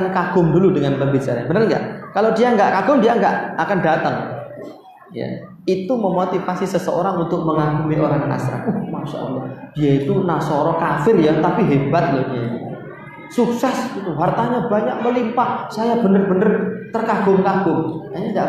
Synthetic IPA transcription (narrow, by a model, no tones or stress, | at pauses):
ankaɡ̥ʊ̤mduludəŋanpəmbit͡ʃaɾaɲabənərŋɡa̰ʔkalodijaŋɡaʔkaɡ̥ʊmdijaŋɡaʔakandat̪əŋ | ja̰ | it̪uməmot̪ifasisəsəo̰ɾaŋunt̪ʊk̚məŋaɡumiʔoɾaŋna̰sɾa̰nmaʃa̰ə̰lːɔhd̥ijait̪unasɔɾɔkafɪrjat̪apiɦebat̪̚lɔhdiaḭ | suksɛsɡit̪uɦart̪aɲabaɲak̚məlimpahsajabənərbənərt̪ərkaɡ̥ʊmkaɡ̥ʊmkaɲada